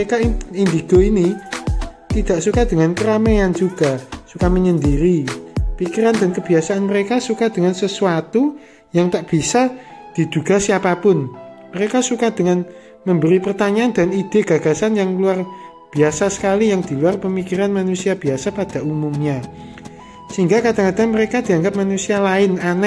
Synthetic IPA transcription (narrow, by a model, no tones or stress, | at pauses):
ekaind̪iɡ̥oini | t̪id̪̥aʔsukad̪̥əŋankəɾamejand͡ʒuɡ̥a̤sukaməɲənd̪iɾipikiɾand̪a̤nkəb̥iasaanməɾekasukad̪̥əŋansəsuat̪u | jaŋt̪aʔb̥i̤sa | d̪̥i̤d̪̥uɡ̥a̤siapapʊn | məɾekasukad̪̥əŋan | məmbəɾipərt̪aɲaand̪̥a̤nid̪̥e̤ɡ̥a̤ɡ̥a̤sanjaŋluar | b̥i̤asasə̥kalijaŋd̪̥i̤luarpəmikiɾanmanusiab̥iasapad̥a̤umumɲa | siŋɡakad̪̥a̤ŋkad̪̥aməɾekad̪̥i̤aŋɡap̚manusialaɪnanɛ